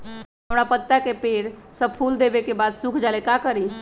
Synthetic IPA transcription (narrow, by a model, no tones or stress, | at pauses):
əmɽ̃apət̪ːakepeːɾsəb̚pʰuld̪ebekebad̪sukʰd͡ʒalekakəɾi